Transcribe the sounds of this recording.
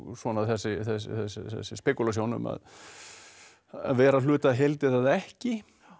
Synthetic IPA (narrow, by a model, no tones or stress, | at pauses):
svɔːnaθɛsːɪθɛsθɛsːθɛ̰sːɪspɛkʏlasjownʏ̰ma̰ð | a̰ðvɛːɾalʏːt̪aɦejlt̪ɪθaðɛhcɪ